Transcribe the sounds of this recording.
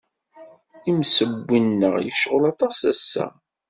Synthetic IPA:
imsəbʷːinːəʁjə̰ʃʁʊlɑt̪ˤɑsæsːæ̰

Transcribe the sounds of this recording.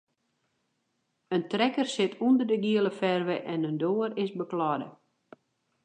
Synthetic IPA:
əntrɛkərsɪtʰundərdəɡiələfɛrʋəʔɛnəndoːəɾɪsbəklɔdə̰

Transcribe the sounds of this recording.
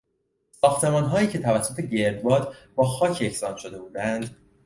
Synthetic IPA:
sɒːxt̪ʰe̞mɒːnɦɒːjiːcʰe̞t̪ʰævæsːot̪ʰe̞ɟe̞ɾd̪bɒːd̪bɒːxɒːcʰe̞csɒːnʃo̞d̪e̞buːd̪ænd̪

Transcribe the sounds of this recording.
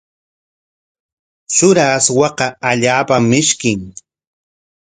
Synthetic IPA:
t͡ʃʊɾaːswɑqɑaʎaːpamːɪʃkɪŋ

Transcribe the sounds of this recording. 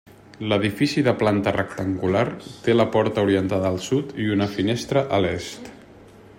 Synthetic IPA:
ləðifisiðəplant̪ərək̚t̪əŋɡulaɾt̪eləpɔɾt̪əuɾiənt̪aðəːlˠsut̪iunəfinest̪ɾəʔəlest̪

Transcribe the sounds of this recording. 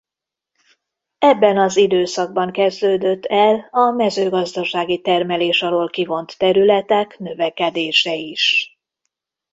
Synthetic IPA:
ɛbːɛnɒzid̪øːsɒɡ̚bɒŋkɛzd̪øːd̪ø̞t̪ːɛlɒmɛzøːɡɒzd̪ɒʃaːɡit̪ɛrmɛleːʃɒloːlkivo̞nt̪ːɛɾylɛt̪ɛknø̞vɛkɛd̪eːʃɛiʃ

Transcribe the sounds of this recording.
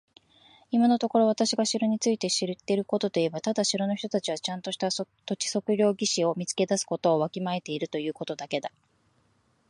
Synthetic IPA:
imano̞t̪o̞ko̞ɾo̞βat̪aɕiɡaɕiɾo̞ɲ̟it͡sɨit̪e̞ɕiɾɯt̪ːe̞ɾɯ̟ko̞t̪o̞t̪o̞iebat̪ad̪aɕiɾo̞no̞çi̥t̪o̞t̪at͡ɕiβ̞at͡ɕãnt̪o̞ɕi̥t̪at̪o̞t͡ɕi̥so̞kɯ̟ɾʲo̞ːɡʲiɕio̞mʲit͡sɨ̥ke̞d̪asɨ̥ko̞t̪o̞ːβakʲimae̞t̪e̞iɾɯ̟t̪o̞jɯ̟ːko̞t̪o̞d̪ake̞d̪a

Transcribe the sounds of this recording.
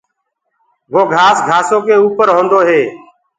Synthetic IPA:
ʋoːɡʱaːsɡʱaːsõːkeːuːpəɾɦõːnd̪oːɦeː

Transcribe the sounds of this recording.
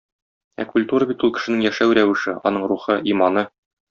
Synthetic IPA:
æ̰kulʲt̪uɾəbit̪ulˠkɘ̥̆ʃɘ̆nɘŋjæʃæwɾæwɘ̆ʃɘɒ̰n̪ɤɴɾuχɤimɑnɤ

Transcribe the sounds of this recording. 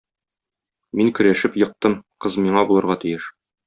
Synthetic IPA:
miŋkɵ̆ɾæʃɘpjɤ̆q̚t̪ɤmqɤzmiɴɑbulˠɤ̆ɾʁɑt̪ijɘʃ

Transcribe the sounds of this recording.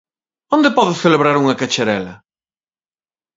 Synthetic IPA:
ond̪ɪpɔðʊθeleβɾaɾuŋɐkat͡ʃeɾɛlɐ

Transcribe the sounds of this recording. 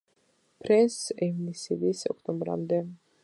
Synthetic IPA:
pʰɾɛnsɛvnisivisɔ̰kʰt̪ʼɔmbɾa̰md̪ɛ

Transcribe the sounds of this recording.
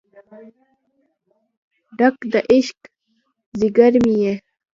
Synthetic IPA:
ɖakd̪aʔiʃk | ziɡəɾmije

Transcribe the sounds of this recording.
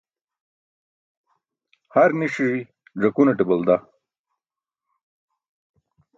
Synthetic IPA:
haɾniʂiɻi | ʐɐkunɐʈibɐld̪a

